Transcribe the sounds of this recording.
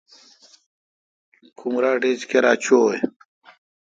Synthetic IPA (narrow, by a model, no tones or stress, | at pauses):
kʰumɾaːɖeːd͡ʑkeɾaːt͡ɕʰoj